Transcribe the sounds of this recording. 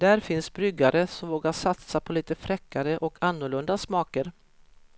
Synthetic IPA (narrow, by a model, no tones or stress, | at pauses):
d̪̥æɾfɪnsbɾʏɡːaɾəsɔmvoːɡaʂat̪sapʰɔliːt̪əfɾɛkːaɾəʔɔkʰanːʊɭɵnd̪asmɑːkəɾ